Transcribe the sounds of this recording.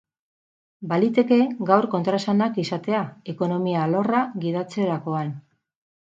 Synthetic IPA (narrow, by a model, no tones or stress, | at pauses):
balit̪e̞ke̞ɡawɾko̞nt̪ɾasanakisat̪e̞ae̞ko̞no̞mialo̞raɡið̞at͡se̞ɾako̞an